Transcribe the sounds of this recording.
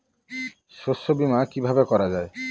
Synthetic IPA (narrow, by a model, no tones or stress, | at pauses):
ʃosobimakibʱabekɔɾad͡ʒae